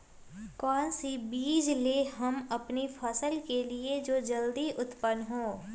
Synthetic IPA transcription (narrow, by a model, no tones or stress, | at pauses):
kɔːnsibiːd͡ʒleɦɐmɐpnipʰəsəlkelied͡ʒoːd͡ʒɐld̪iʔʊt̪pənɦõː